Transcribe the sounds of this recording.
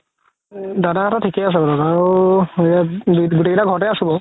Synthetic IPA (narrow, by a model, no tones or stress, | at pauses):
dadaɦatɔtʰikɛas̬ɛbɔdadaɹueaduɡutekitaɡʱɔɹɔtɛasubɔ